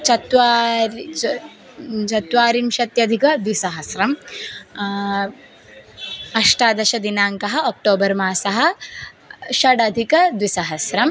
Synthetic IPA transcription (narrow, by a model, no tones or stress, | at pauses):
t͡ʃɐt̪ʋa | t͡ʃɐt̪ʋaːɾimʃɐt̪jɐd̪ʱikɐd̪ʋisɐɦɐsɾɐm | ɐʂʈaːd̪ɐʃɐd̪inaːŋkɐɦɐ̆ok̚ʈoːbɐɾmaːsɐɦɐ̆ | ʃɐɖɐd̪ʱikɐd̪ʋisɐɦɐsɾɐm